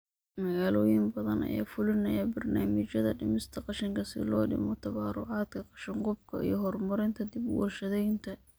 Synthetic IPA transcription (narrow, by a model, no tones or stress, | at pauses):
mɐɣaːlɔːjɪmbɐðɐnɐ̰ja̰ːfʊlɪnɐjɐbɐrnaːmɪt͡ʃɐðɐ̰ɖɪmɪst̪ʰɐqɑʃɪŋkʰɐsɪ̰lɔːɖɪ̰mɔt̪ʰɐβaːrʊ̰ʕɑːd̪kʰɐqɑ̥ʃɪɴqʊbkʰɐʔḭjɞɦɔrmɐɾɪnt̪ʰɐd̪ɪbwɔ̰rʃɐðɛjnt̪ʰɐ